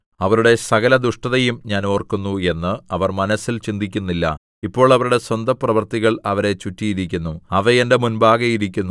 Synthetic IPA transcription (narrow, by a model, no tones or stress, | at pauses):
ɐʋɐɾuɽe̞sɐɣɐlɐd̪uʂʈɐðɐjumɲaːno̞ːrkunːue̞nːɨɐʋɐrmɐnɐsːilt͡ɕind̪ʱikʲːunːilːɐ̰ | ipːo̞ːɭɐʋɐɾuɽe̞swɐnd̪ɐprɐʋɐrt̪iɣɐɭɐʋɐɾe̞t͡ɕutːijiɾikʲːunːuɐʋɐjende̞munbaːɡɐjiɾikʲːunːu